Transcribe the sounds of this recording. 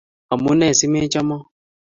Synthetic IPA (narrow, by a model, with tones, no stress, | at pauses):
a˨mu˦nɛ˦˨si˦me˦t͡ʃa˦mɔ˦